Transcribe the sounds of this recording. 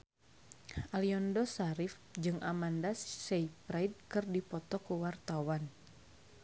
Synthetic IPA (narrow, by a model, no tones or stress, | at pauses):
ʔaliɔndɔsaɾif | d͡ʒɨŋʔamandassɛipɾaid̚kɨrdipɔt̪ɔkuwart̪awan